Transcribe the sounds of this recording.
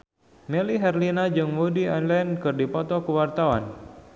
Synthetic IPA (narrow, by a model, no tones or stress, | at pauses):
mɛliɦɛrlinad͡ʒɨŋmudiɔnlɛnkɨrdipɔt̪ɔkəwart̪awa̰n